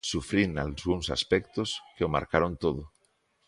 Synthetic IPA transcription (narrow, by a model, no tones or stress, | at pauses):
sufɾina̰lzɣuŋsa̰spɛkt̪oskeoma̰ɾkaɾont̪oðo